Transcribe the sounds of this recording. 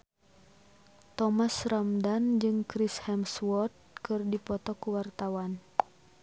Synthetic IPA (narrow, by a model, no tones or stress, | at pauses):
t̪ɔmasramdand͡ʒɨŋkɾishɛmswɔt̪̚kɨrdipɔt̪ɔkuwart̪awan